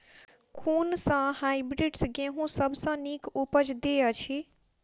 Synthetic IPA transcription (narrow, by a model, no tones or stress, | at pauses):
kʰuːnsə̃hajbɾiɖsɡẽɦũsəbʱsə̃nikopəd͡ʒd̪eət͡ʃʰi